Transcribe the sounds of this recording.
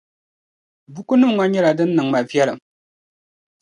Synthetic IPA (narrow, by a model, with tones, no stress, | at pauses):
bu˦ku˦nɨ˦˨m˨ŋa˦ɲɛ˦ɾa˨dɨ˦nː˦ɨ˨ŋma˨vjɛ˦ɾɨ˨